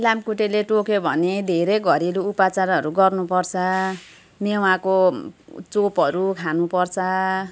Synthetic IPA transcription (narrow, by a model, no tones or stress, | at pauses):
lamkuʈeleʈokebʱʌned̪ʱeɾʌjɡʱʌɾiluːpat͡saɾʌɾuɡʌrnupʌrt͡sʰʌ | mewako | t͡sopʌɾukʰanupʌrt͡sʰʌ